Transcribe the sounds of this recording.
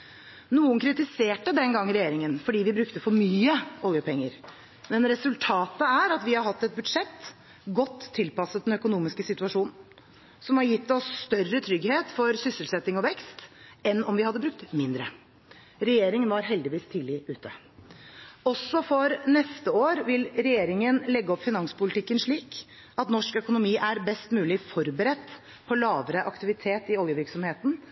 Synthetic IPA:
nuːənkʰɾɪt̪ɪseːʈəd̪ɛŋɡɑŋːəɾɛjeːɾɪŋənfɔɖiːʋɪbɾʉkt̪əfɔɾmyːəoːəpʰɛŋːəɾ | mɛnɾɛsʉlt̪ʰɑːt̪əæɾɑt̪ʋɪhɑɾɦɑt̪ːɛt̪̚bʉd̪ʂɛt̪ː | ɡɔt̪ʰːɪlpɑsət̪d̪ɛnœkʊnuːmɪskəsɪt̪ʉɑʂuːnn̩ | sɔmhɑɾjɪt̪ːɔsːt̪œrːət̪ʰɾʏɡheːt̪fɔɾsʏsəlsɛt̪ːɪŋɔʋɛkst̪ɛnɔmʋɪhɑd̪ːəbɾʉk̚t̪mɪnd̪ɾə | ɾɛjeːɾɪŋənʋɑɾɦɛld̪ɪʋiːst̪ʰiːlɪʉːt̪ʰə | ɔsːɔfɔɾnɛst̪əoːɾʋɪlɾɛjeːɾɪŋənlɛɡːəɔpːfɪnɑŋsə̥pʊlɪt̪ʰɪkːənʂɭiːk | ɑt̪nɔʂkœkʊnʊmiːʔæɾbɛst̪mʉːlɪfɔɾbəɾɛt̪ː | pʰɔlɑːʋəɾəʔɑkt̪ɪʋɪt̪ʰeːt̪ɪoːlɡəʋɪɾksɔmheːt̪n̩

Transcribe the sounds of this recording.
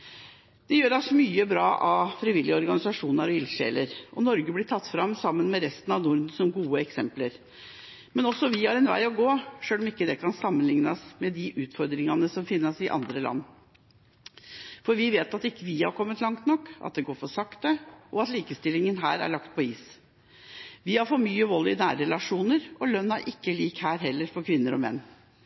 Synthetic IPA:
d̪̥ɛjøːɾɑsmyːəbɾɑːʔɑfɾɪʋɪlːɪəɔɾɡɑnɪsɑʂuːnəɾɔɪlʂḛːləɾʔɔnɔɾɡəblɪʈ̪ʰɑt̪ːfɾɑmːsɑmːənmɛɾɛst̪ənɑʋnʊɾd̪sɔmɡuːəɛksɛmpləɾ | mɛnɔsːɔʋɪhɑɾɛnʋæ̰ɪɔɡoːʂøːlɔmɪkːəd̪ɛkʰɑnsɑmːənlɪŋnɑsmɛd̪ɪʔʉːt̪fɔɾd̪ɾɪŋɑnəsɔmfɪnːəsɪʔɑ̰nd̪ɾəlɑ̰nː | fɔɾʋɪʋeːt̪ɑt̪ɪkːəʋɪhɑ̰ɾkʰɔmːət̪lɑŋt̪nɔkːʔɑ̰t̪̚d̪ɛɡoːɾfɔʂɑkt̪əʔɔɑt̪liːkəst̪ɪlɪŋənɦæ̰ːɾæ̰ɭɑkt̪̚pʰɔiːs | ʋɪhɑɾfɔmyːəʋɔlːɪnæːɾɾɛlɑʂuːnəɾʔɔlœnːæɾʔɪkːəliːkhæːɾɦɛlːəɾfɔɾkʰʋɪnːəɾɔ̰mɛ̰nː

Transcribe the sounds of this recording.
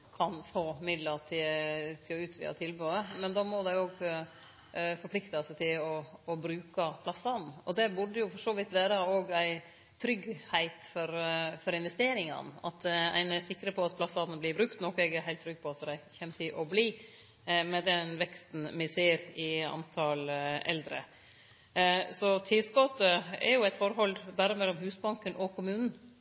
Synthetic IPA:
kʰɑnfoːmɪd̪ləɾt̪ʰɪt̪ʰɪlɔʉːt̪ʰʋḭːɑ̰t̪ʰɪlbʉːəmɛnd̪ɔmɔd̪æɪoːɡ | fɔɾpʰlɪkt̪ɑsət̪ʰɪlɔːbɾʉːkɑpʰlɑsɑd̪n̩ɔd̪ɛbʉɖːəjʊfɔʂoːʋɪt̪ʋæːɾəoːɡæɪ | t̪ʰɾʏɡhæɪt̪fɔɾfɔɾɪnʋɛst̪eːɾɪŋɑ̰nɑ̰t̪æ̰ɪnəæsɪkːɾəpʰɔɑt̪pʰlɑsɑd̪nəblɪbɾʉkt̪nɔkɛɡæɾhæɪt̪ʰːɾʏɡ̚pʰɔɑt̪d̪æɪçɛmːt̪ʰɪʔɔbliː | mɛd̪ɛnʋɛkst̪nmɪseːɾɪɑ̰nt̪ʰɑlɛ̰ld̪ɾə̰ | sɔt̪ʰɪlskɔt̪ːəɛ̰ɾjʊæɪt̪fɔɾɦɔlbæːɾəmɛlːɔmɦʉːsbɑŋkənʔɔkʰʊmʉːnn̩

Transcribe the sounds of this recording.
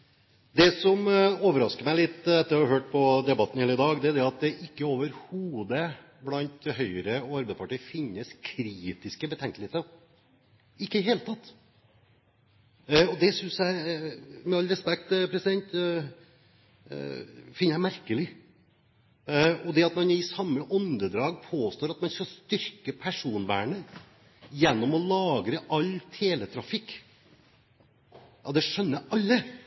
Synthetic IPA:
d̪ɛsɔmoːʋəɾɑskəɾmæɪlɪt̪ːɛt̪ːəɾjɑhɑɾɦøːʈ̚pʰɔd̪ɛbɑt̪ːn̩hæːɾɪd̪ɑːɡd̪ɛæd̪ɛɑt̪̚d̪ɛʔɪkːəoːʋəɾhuːd̪ə | blɑnt̪hœʏɾəɔɑɾbæɪd̪spɑʈiːəfɪnːəskʰɾiːt̪ɪskəbət̪ʰɛŋkəlheːt̪ | ɪkːəd̪ɛɦeːlət̪ʰɑt̪ː | ɔd̪ɛsʏnsjæɪmɛɑlːɾɛspɛk̚t̪pʰɾɛsɪd̪ɛnt̪ | fɪnːəjæɪmæɾkəlɪ | ɔd̪ɛɑt̪mɑnɪsɑmːəʔɔnd̪əd̪ɾɑːɡpʰoːst̪oːɾɑt̪mɑnskɑst̪ʏɾkəpʰæʂuːnʋæ̰ːɳə | jɛnːɔmɔlɑːɡɾəʔɑlt̪ʰeːlət̪ʰɾɑfɪkː | jɑd̪ɛʂœnːəɑlːə

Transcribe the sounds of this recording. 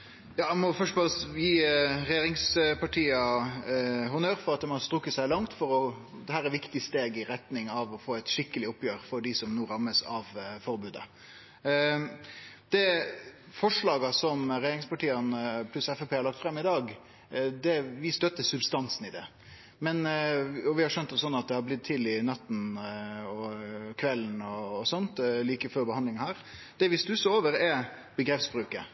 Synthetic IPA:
jɑːɛmɔfœʂʈɔbɛsjiːɾɛjeːɾɪŋspɑʈʰiːɑ | ɦʊnøːɾfɔɾɑt̪̚d̪ɛmɔst̪ɾʉkːəsæɪlɑŋt̪fɔɾɔ | d̪ɛhæːɾɛɾʋɪkt̪ɪst̪eːɡɪɾɛt̪nɪŋɑʋɔfoːæt̪ʃɪkːəlɪʊpjøːɾfɔɖɪsɔmnuːɾɑmːəsɑʋfɔɾbʉːd̪ə̰ | d̪̥ɛ | fɔʂɭɑːɡəsɔmɾɛjeːɾɪŋspɑʈiːənəpʰlʉsɛfɛpeːhɑɾɭɑkt̪fɾɛmːɪd̪ɑːɡ | d̪ɛʋɪst̪œt̪ːəsʉbst̪ɑnsnɪd̪ɛ | mɛnɔʋɪhɑɾʂœnt̪ɔsɔnːɑt̪̚d̪ɛhɑblɪt̪ʰːɪlɪnɑt̪ːn̩ | ɔkʰʋɛlːn̩ɔːsɔnt̪liːkəføːɾbəhɑnd̪lɪŋəhæːɾ | d̪̥ɛʋɪsd̪ʉsooːʋəɾɛb̥əɡɾɛfsbɾʉːkə

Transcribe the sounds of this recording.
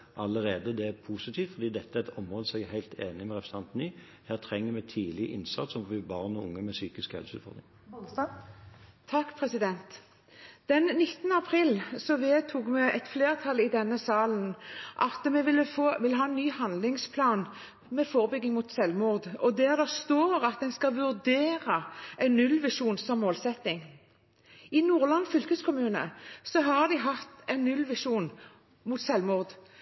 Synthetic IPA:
ʔɑləɾeːd̪əd̪ɛæɾpʰuːsɪt̪ʰiːft̪fɔɾd̪iːd̪ɛt̪ːəæɾɛt̪ʰɔmʁɔːd̪əsɛɡhæɪlt̪ʰeːnɪmɛɾɛpɾəsɑnt̪nyː | hæːʁt̪ʰɾɛŋːəɾmɛt̪ʰiːlɪʔɪnsɑ̰t̪sɔmfɔʋɪbɑːʁnɔʊ̰ŋːəmɛsyːkɪskhɛ̰lsəʉ̰ːt̪fɔ̰ʁd̪ʁɪŋ | t̪ʰɑkːpʰʁɛsɪd̪ɛnt̪ | d̪̥ɛnnɪt̪ːənəɑpʰʁiːlsɔʋeːt̪ʰuːɡmɛʔɛt̪fleːʁt̪ʰɑlɪd̪ɛnːəsɑːlənʔɑt̪mɛʋɪlːəfoːʋɪlːəɦɑːɛnːyːhɑnd̪lɪŋspʰlɑːn | mɛfoːʁəbʏɡːɪŋmut̪sɛlʋmʊʁd̪ɔd̪æʁd̪æst̪oːʁɑt̪̚d̪ɛnskɑʋʉʁd̪eːɾəɛɪnːʉlʋɪʂuːnsɔmːoːlsɛt̪ːɪŋ | ɪnuːʁlɑnfʏlkəskʰʊmʉːnə̰sɔɦɑɾd̪ɪɦɑt̪ɛɪnːʉlːʋɪʂuːn | mʊt̪sɛlmʊʁd̪

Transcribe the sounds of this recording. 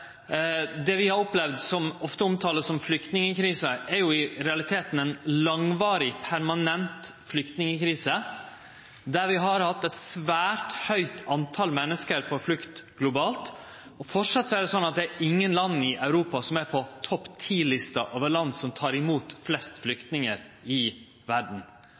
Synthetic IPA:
d̪ɛʋɪhɑɾɔplɛʋd̪sɔmɔft̪əɔmt̪ʰɑːləsɔmflʏkt̪nɪŋəkʰɾiːsəʔɛɾjʊɪɾɛɑlɪt̪ʰeːt̪n̩ɛnlɑŋʋɑːɾɪpʰæɾmɑnɛnt̪flʏkt̪nɪŋəkɾiːsə | d̪æɾʋɪɦɑɾhɑt̪ːɛt̪sʋæːɾt̪hœʏt̪ʰɑnt̪ʰɑlmɛnːəskəɾpʰɔflʉkt̪ɡ̥lʊbɑːlt̪ | ɔfɔʈʂɑt̪ːsɔæɾd̪ɛsɔnːɑt̪̚d̪ɛæɾʔɪŋːənlɑnːɪʔɑʉɾuːpɑsɔmæɾpʰɔt̪ʰɔpːt̪ʰiːlɪst̪ɑʔoːʋəɭɑnd̪sɔmt̪ʰɑːɾɪmuːt̪flɛst̪flʏkt̪nɪŋəɾɪ | ʋæɖɳ̩

